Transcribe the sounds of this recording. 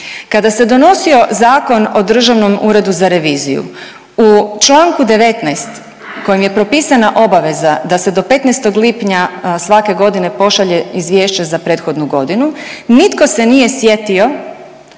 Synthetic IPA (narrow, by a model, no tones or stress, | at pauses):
kad̪ase̞d̪o̞no̞sio̞zaːko̞no̞d̪r̩ʒaʋno̞muːɾe̞d̪uzaɾe̞ʋiːzḭjṵ | ut͡ʃlˠaːŋkud̪e̞ʋe̞t̪najst̪ | ko̞jimje̞pɾo̞piːsanaʔo̞baʋe̞zad̪ase̞d̪o̞pe̞t̪nɛjst̪o̞ɡlipɲasʋake̞ɡo̞d̪ine̞po̞ʃaʎe̞izʋjeːʃt͡ɕazapɾe̞ːt̪xo̞d̪nuɡo̞d̪inunit̪ko̞se̞nije̞sje̞t̪io̞